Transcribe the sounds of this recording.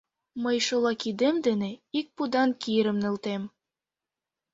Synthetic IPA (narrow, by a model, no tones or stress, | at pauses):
mɤjʃolˠɑkid̪ĕmd̪ɘ̆nĕik̚pud̪ɑnkijɾɘ̆mnɤ̆lˠt̪em